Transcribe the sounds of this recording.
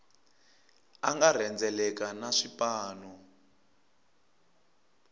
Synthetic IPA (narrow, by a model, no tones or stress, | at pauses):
aŋɡar̤ɛnd͡zɛlɛkanaʂipaːnɔ